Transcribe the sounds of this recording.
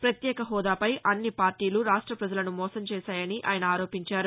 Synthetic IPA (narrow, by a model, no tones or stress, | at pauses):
pɾɐt̪jɛːkɐɦɔːd̪aːpɐjʔɐnːipaːɾʈiːluɾaːʂʈɾɐpɾɐd͡ʒɐlɐnumɔːsɐmt͡ʃɛːsaːjɐniʔa̰ːjɐnɐaːɾoːpiɲt͡ʃaːɾu